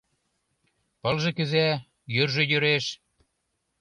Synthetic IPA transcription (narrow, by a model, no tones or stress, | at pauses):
pɤ̆lʒĕkɘ̆zæ | jørʒĕjø̆ɾeʃ